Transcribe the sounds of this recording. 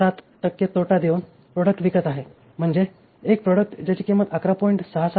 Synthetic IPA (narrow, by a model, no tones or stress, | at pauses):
at̪ʈəkːjət̪oʈad̪eun | pɾoɽək̚ʈʋikət̪aɦe | m̤əɳd͡zeː | k̚pɾɔɽək̚ʈd͡ʑat͡ɕiːkemət̪akɾapɔiɳʈsəɦasa